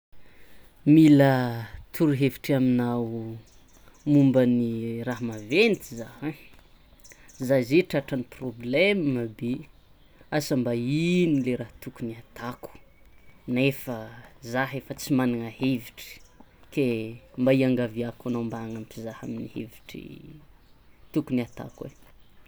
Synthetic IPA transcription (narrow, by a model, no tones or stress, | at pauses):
milət̪ʰuɾuɦeviʈ͡ʂaminaw | mumbəniraɦmavenit̪izahã | zazeʈ͡ʂaʈ͡ʂaniproblɛmməbe | asəmbainileɾaht̪ukuniat̪aku̥nefəzaɦefət͡simanaŋaheviʈ͡ʂi̥kembaiaŋɡaviakanambaŋampizaha̰minihḛviʈ͡ʂḭ | t̪ukuniat̪a̰kwḛ